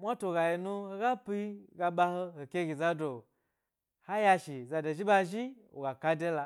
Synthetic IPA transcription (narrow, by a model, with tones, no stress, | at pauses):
mʷa˦to˨ɡa˨ji˨nu˧ho˧ɡa˦pi˦ɡa˧ɓa˧ho˦ho˨kʲe˦ɡʲi˨za˧do˨ | ha˦ja˧ʃi˨za˧do˨ʒi˦ba˧ʒi˦ | o̰˨ɡa˨ka˧de˦la˨˧